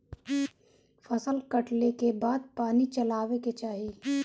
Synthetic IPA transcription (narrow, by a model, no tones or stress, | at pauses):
fɐsəlkɐʈlekebaːd̪̚paːnit͡ʃɐlaːʋeket͡ʃaːɦieː